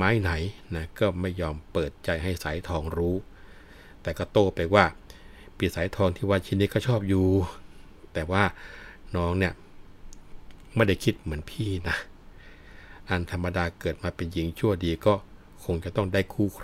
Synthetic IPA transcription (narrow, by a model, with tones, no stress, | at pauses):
aː˦˥jna˩˦jna˦˥kɔː˥˩ma˥˩jːɔː˧mpɤː˨˩t̪̚t͡ɕa˧jɦa˥˩jsaː˩˦jt̪ʰɔː˧ŋɾuː˦˥ | t̪ɛː˨˩kɔː˥˩t̪oː˧˩pa˧jwaː˥˩ | piː˧˩saː˨˩˦jt̪ʰɔː˧ŋt̪ʰiː˥˩waː˧t͡ɕʰiː˧˥˧niː˦˥˩kɔː˥˩t͡ɕʰɔː˥˩p̚juː˧˩ | t̪ɛː˨˩waː˥˩nɔː˦˥ŋni˥˩ə | ma˥˩jda˥˩jkʰi˦˥t̪̚mɯ˩˦ənpʰiː˥˩na˦˥ | ʔa˧nt̪ʰa˧mːa˧daː˧kɤː˨˩t̪̚maː˧pe˧nji˨˦ŋt͡ɕʰu˥˩ədiː˧kɔː˥˩ | kʰo˧ŋt͡ɕa˨˩t̪ɔ˥˩ŋdaː˥˩jkʰuː˧˩kʰ